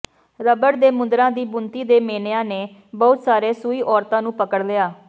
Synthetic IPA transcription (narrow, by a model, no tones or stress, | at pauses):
ɾəbəɽd̪eːmʊnd̪ɾãːd̪iːbʊnt̪iːd̪eːmeːneãːneː | bɔːʊt̪saːɾeːsuiːʔɔːɾt̪ãːnũːpəkəɽlɪaː